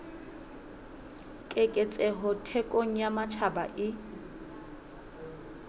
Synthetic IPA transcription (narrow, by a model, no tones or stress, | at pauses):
kʼekʼet͡sʼɛɦʊtʰɛkʼoŋ̩jamat͡ʃʰaba̰ʔɪ